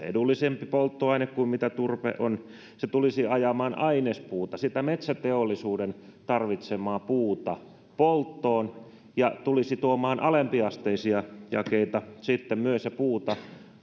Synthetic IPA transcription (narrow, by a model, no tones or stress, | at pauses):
ḛdulːisempipolt̪ːoɑinekkuimmit̪æt̪urpḛʔon | set̪ulisiɑjɑmɑːnɑinespuːt̪ɑsit̪æmet̪sæt̪eolːisuːdent̪ɑrʋit̪semɑːpuːt̪ɑ | polt̪ːoːn | jɑt̪ulisit̪uomɑːnʔɑlempiɑst̪eisiɑjɑ̰keit̪ɑsit̪ːemmyøsepuːt̪ɑ